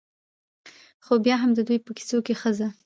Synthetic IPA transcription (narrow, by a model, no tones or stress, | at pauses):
xobjɑɦamd̪əd̪ujpəki̥sokexəza